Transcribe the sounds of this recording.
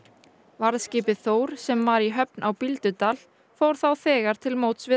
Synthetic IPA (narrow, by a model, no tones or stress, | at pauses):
vaɾðscɪːpɪθoːwɾ̥sɛmːaɾiɦœp̚nʔawpilt̪ʏt̪al | fowɾ̥θawθɛːɣaɾ̥t̪ʰɪlmoːwt̪svɪ